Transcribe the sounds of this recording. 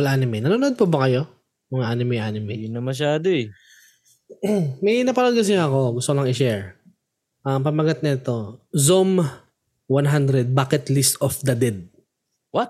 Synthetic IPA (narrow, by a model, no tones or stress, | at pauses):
ɐlʔanɪmɛnɐnoːnod̪̚pobɐkɐjo | jʊŋʔanɪmɪʔanɪmɪjnɐmɐʃ̬aːd̪oɛ | mɐjnɐpɐnod̪ɡɐs̬ɪɲɐɐko̞ɡʊst̪okolɐŋɪʃɛɹ | ʔɐmpɐmɐɡɐt̪̚nɐɛt̪o̞zom | wanɦand̪ɾɛd̪̚baːkɛt̪list̪ɔfd̪ɐd̪ɛd̪̚ | wɐt̪̚